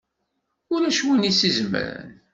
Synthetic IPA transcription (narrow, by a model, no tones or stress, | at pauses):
ʊɾæʃwinisizmə̰ɾə̰n